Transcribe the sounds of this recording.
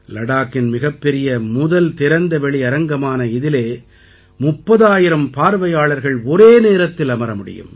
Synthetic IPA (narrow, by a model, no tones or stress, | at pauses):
lɐɽaːkːɪnmɪɣɐpːɛɾɪjɐmʊðɐlt̪ɪɾɐnd̪ɐʋɛɭiɐɾɐŋɡɐmaːnɐɪðɪleː | mʊpːɐðaːjɪɾɐmpaːɾʋɐjaːɭɐɾɣɐɭɔɾeːneːɾɐt̪ːɪlɐmɐɾɐmʊɽɪ̰jɯ̰m